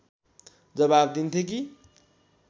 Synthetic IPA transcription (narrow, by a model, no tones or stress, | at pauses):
d͡zʌbab̚d̪int̪ʰjek̬i